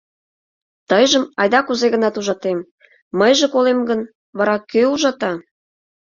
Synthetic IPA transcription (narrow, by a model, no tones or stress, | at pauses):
t̪əjʒəmɑ̰jd̪ɑkuzeɣə̆nɑt̪uʒɑt̪em | məjʒĕkolemɡən | βɑɾɑkøuʒɑt̪ɑ